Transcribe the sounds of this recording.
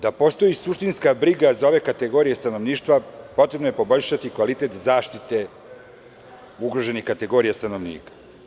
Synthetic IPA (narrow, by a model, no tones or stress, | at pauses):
d̪apo̞st̪o̞jisuʃt̪inskabɾiɡazao̞ʋe̞kat̪eɡo̞ːɾijest̪ano̞ʋniːʃt̪ʋapo̞t̪ɾe̞bnoje̞po̞bo̞ʎʲʃat̪ikʋalit̪et̪zaːʃt̪it̪e̞ | uɡɾo̞ʒe̞nixkat̪e̞ɡo̞ːɾijast̪ano̞ʋnḭːkḁ